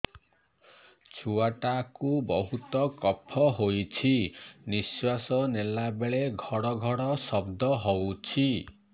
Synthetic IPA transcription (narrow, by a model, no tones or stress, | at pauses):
t͡ʃʰuaʈakubɔɦut̪ɔkɔpʰɔɦojt͡ʃʰiniswasɔnelabeɭeɡʱɔɽɔɡʱɔɽɔsɔbd̪ɔɦɔwt͡ʃʰi